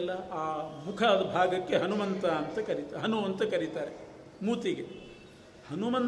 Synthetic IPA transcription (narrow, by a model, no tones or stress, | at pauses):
lːɐaːmukʰɐd̪bʱaːɡɐkːeɦɐnumɐnt̪ɐːnt̪ɐkɐɾit̪aɦɐnuɐnt̪ɐkɐɾit̪aːɾe | muːt̪iɡe | hɐnumɐn